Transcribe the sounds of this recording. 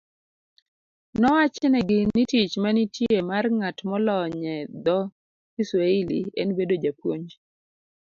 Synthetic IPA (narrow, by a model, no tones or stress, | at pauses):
nɔwat͡ʃɛnɛɡɪnitit͡ʃmanitjemarŋatmɔlɔɲɛd̪ɔ | iswailḭḛnbedod͡ʒapwoɲd͡ʒ